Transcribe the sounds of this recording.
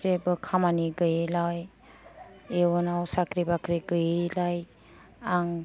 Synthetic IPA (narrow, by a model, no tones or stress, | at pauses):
zebɯkʰamaniɡɯjelaj | ewɔnawsakʰɾibakʰɾiɡɯjelaj | aŋ